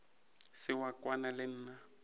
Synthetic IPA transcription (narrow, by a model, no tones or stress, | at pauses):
sɪwakwanalɪn̩ːna